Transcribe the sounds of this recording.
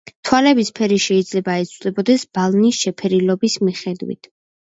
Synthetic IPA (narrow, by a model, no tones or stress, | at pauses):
t̪ʰwalɛbispʰɛɾiʃɛid̪zlɛbaɛt̪sʰʼwd̪ɛbɔd̪ɛsb̥alˠnisʃɛpʰɛɾilɔbismiχɛd̪wḭt̪ʰ